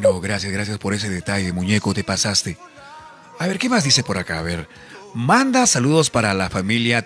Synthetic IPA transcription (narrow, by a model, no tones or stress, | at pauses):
noɣɾasjasɣɾas̬jaspo̞ɾe̞s̬e̞ðe̞t̪ajðemuɲe̞kot̪e̞pasast̪e̞ | aβe̞ɾke̞mazðise̞po̞ɾakaːβe̞ɾ | mand̪asaluðo̞spaɾalafamilja